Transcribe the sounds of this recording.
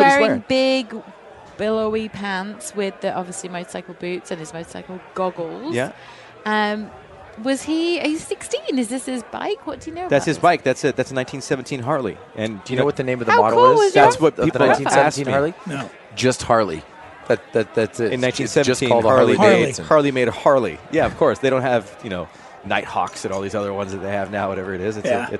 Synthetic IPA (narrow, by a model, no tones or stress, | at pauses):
wɛɹɪ̃ŋbɪɡ | b̥ɪlˠəʊipʰæ̃ntswɪðiʔɑ̰bviəslimoʊstsaɪkl̩ˠbʉtsɨ̃nɨzmoʊstsaɪkl̩ˠɡɑɡl̩ˠzjæ | ʌ̃m | wʌz̥iz̥sɪkstĩnɨzðɪshɪzba̰ɪkwʌtd̥ɨjɨnoʊəbðætsɨzbaɪk̚ðætsɨðætsnãɪ̃ntʰĩnsɛvɨ̃n̩tʰĩnɦɑɹlˠḭ | ʔɨ̃nd̥ɨjɨnoʊwʌt̪̚ðɨnẽɪ̃mʌvðaʊɑɾl̩ũnˠʌzðæswʌt̚iðlãɪ̃tĩɛsknɑɹlˠio̥ | d͡ʒʌst̚hɑɹlˠḭ | ðɨtðt̚ðætɨ̃nãɪ̃ntʰĩnsɛvtʰĩɔlˠdɑɹllˠieɪdhɑɹlˠimeɪɾɨhɑɹlˠḭjæʌv̥kʰɔɹsð̥eɪɾõʊ̃nhɨvjɨnoʊ | naɪt̚hɑ̰ksɨ̃ɾɔlˠðizʌðə˞wʌ̃nzðɨt̪̚ðeɪɨvnaʊwʌɾɛvə˞ɨɾɪzɨtsɨ̰